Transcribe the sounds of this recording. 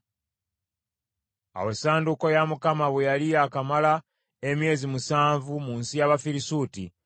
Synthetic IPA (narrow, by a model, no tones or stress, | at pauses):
a̰we̞saːnduko̞jamukamaβwejalijakamala | emje̞ːzimusaːɱvumunsijaβafiɾisuːti